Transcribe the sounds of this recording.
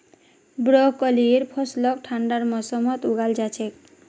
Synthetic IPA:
bɾɔkɔlieɾpʰɔslɔk̚ʈʰaɳɖaɾmɔsɔmɔt̪uɡald͡ʒat͡ʃʰek̚

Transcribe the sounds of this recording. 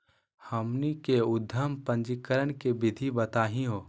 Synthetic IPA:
hɐmnikeʊd̪ʱːəmpə̃nd͡ʒikəɾənkebɪd̪ʱibət̪aːɦĩɦoː

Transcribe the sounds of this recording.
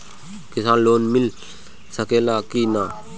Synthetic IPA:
kisanloːnmil | sakelakina

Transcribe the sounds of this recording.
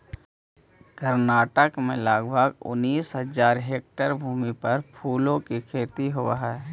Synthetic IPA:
kəɾnaːʈəkmẽlaːɡbʱəɡʊ̰nːiːsɦəzaːɾɦeːk̚ʈəɾbʱuːmipɐɾpʰuːlõkikʰeːt̪iɦʊʋaɦɛː

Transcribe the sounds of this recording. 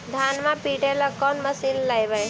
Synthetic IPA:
d̪ʱaːnmãpiːʈeləkɔːnməsiːnlajbəj

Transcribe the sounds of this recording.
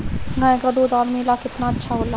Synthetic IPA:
ɡãẽɡɐd̪od̪ɔːɾmilakɪt̪naɐtːʃʰaɦola

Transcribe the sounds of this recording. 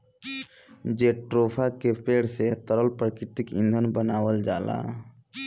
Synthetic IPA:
d͡ʒeʈɾopʰakepeɽset̪əɾəlpɾəkɾɪt̪ikḭ̃nd̪ʱənbənaːwəld͡ʒaːla̰

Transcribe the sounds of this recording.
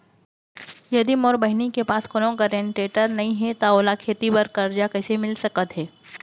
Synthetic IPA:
jɐd̪imoːɾbɐɦnikepaːskoːnõɡəɾẽɳʈeːʈəɾnɐɦĩɦɛt̪aoːlakʰeːt̪ibɐɾkɐɾd͡ʒakɛːsemɪlsɐkət̪ɦɛː

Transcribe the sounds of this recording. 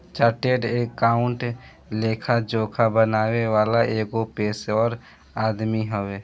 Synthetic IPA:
t͡ʃaːɾʈeːɖeːkːaːʊ̃ɳʈ | leːkʰad͡ʒoːkʰabənaːweʋaːlaʔeːɡopeːsɔːɾ | aːd̪miɦoeː

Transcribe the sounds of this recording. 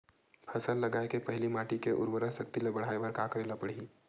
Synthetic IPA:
pʰɐsəllɐɡaːekepɐɦlimaːʈikeʔʊ̰ɾwəɾəsɐkt̪ilebɐɽ̤aːeʋəɾkakəɾeːlapəɽ̤ii

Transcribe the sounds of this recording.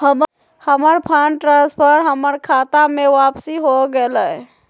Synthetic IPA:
həm | həməɾpʰəɳʈɾãspʰəɾɦəməɾkʰat̪amẽʋapsiɦoɡelə

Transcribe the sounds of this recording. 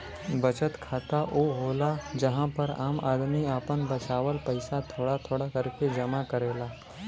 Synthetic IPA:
bɐt͡ʃət̪kʰaːt̪aʔoːɦoːlad͡ʒɐɦãpəɾaːma̰ːd̪miaːpənbɐt͡ʃaːʋəlpəɪsat̪ʰoːɽat̪ʰoːɽakəɾked͡ʒɐmakəɾeːlaː

